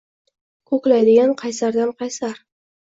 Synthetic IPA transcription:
kʰɵklajd̪ɪɡʲanqʰɑjsaɾd̪anqʰɑjsaɾ

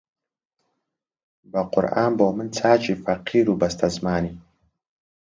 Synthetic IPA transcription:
bɐqʊ̰ɾaːnboːmɨnt͡sʰaːt͡ʃifɐqʰiːɾubɐst̪ʰɐzmaːni

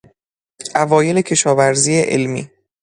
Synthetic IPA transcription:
ʔævɒːje̞le̞cʰe̞ʃɒːvæɾziːeʔḛlmḭː

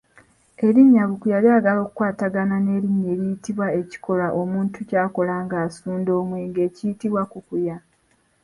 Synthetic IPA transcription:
e̞ɾiɲːaβukujaliaːɡalo̞ːkukwaːtaɡanane̞ːɾiɲːe̞ɾijitiβwae̞ci̥ko̞laʔo̞muːntucaːko̞laːŋɡaːsuːndo̞ːmweːŋɡe̞ːcijitiβwakukuja

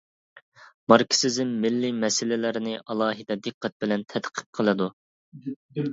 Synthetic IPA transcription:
mɑɾkʲʰi̥sɪzɪmːɪlːimɛsɪlɪlɪɾnɪʔɑlˠɑːɦɨd̪ɛd̪ɨqːɛt̪̚bɪlɛnt̪ʰɛd̪qʰə̥p̚qʰəlˠɨd̪u

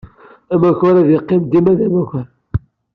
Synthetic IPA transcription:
æmæçʊɾæðjəqːɪmd̪imæðæmækʷʊɾ

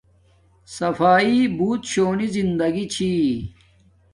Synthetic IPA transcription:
sɐfaːibuːt̪ɕoːnizind̪ɐɡit͡ɕʰi

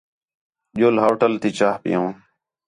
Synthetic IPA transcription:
ʄoːlɦoːʈəlt̪iːt͡ʃaːhpɪ̰jõː

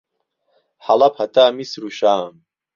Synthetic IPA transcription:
ħalapʰatʰaːmisruʃaːm

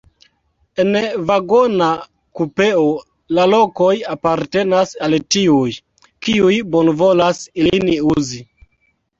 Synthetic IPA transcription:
e̞nvaɡo̞na | kupe̞o | lalo̞ko̞japaɾte̞nasaltiuj | kiujbonvo̞lasiliniuzi

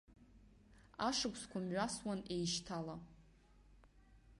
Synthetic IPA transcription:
aʂɨkʷʰʼskʷʰamɥaswanejʃtʰala

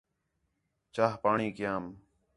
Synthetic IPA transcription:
t͡ʃaːɦpaːɳiːkɪjaːm

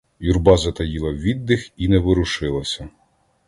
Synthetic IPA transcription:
jurbɑzɐt̪ɐjilˠɐʋʲid̪ːɪxinɛʋɪɾʊʃɪlˠɐsʲɐ

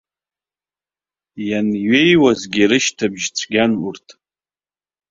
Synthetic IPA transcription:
janɥejwazɡʲiɾɨʃtʰabʒt͡sʷʰɡʲanurtʰ

